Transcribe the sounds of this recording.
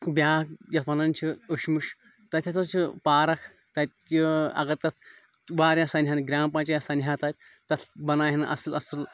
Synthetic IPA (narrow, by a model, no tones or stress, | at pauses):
bʲaːkjɐt̪ʰʋɐnɐnʲt͡ʃʰiəʃmuʂ | t̪ɐt̪ʲʰjɐt̪ʰɐt͡ʃʰipaːɾɐkʰ | t̪ɐt̪iɐ̰ɡɐɾt̪ɐt̪ʰ | ʋaːɾjasɐnʲɦanɡɾʲaːmpãːt͡ʃɐjasɐnɦaːt̪aːt̪̚ʲt̪ɐt̪ʰbɐnaːɦinɨʔɐ̰sɨlɐsɨl